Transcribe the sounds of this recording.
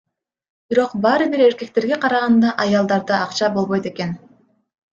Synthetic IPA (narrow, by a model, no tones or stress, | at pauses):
biɾo̞qbɑːɾɯbiɾe̞ɾke̞k̚t̪e̞ɾɡe̞qʰɑɾɑʁɑnd̪ɑʔɑjɑlˠd̪ɑɾd̪ɯɑqt͡ʃɑbo̞lˠβo̞jt̪e̞ke̞n